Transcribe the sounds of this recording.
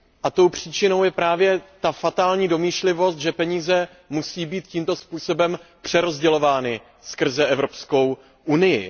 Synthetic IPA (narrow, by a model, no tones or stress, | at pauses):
ʔat̪o̞wpr̝̥iːt͡ʃɪno̞wjɛpɾaːvjɛt̪afat̪aːlɲiːdo̞miːʃlɪvo̞st̪ʒɛpɛɲiːzɛ | musiːbiːt̪ciːmt̪o̞spuːso̞bɛmpr̝̥ɛɾo̞zɟɛlo̞vaːnɪ | skr̩zɛʔɛvɾo̞psko̞w | ʔunɪjɪ̰